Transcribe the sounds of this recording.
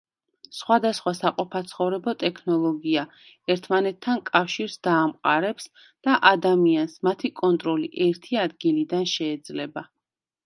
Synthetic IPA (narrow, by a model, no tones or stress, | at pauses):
sχwad̪asχwasaqʼɔpʰat̪sʰχɔvɾɛbɔt̪ʼɛkʰnɔlˠɔɡia | ɛɾt̪ʰmanɛt̪ʰːankʼafʃiɾsd̪aːmqʼaɾɛps | d̪̥aʔad̪amiansmat̪ʰikʼɔnt̪ʼɾɔliʔɛɾt̪ʰiad̪ɡilid̪anʃɛːd̪zlɛba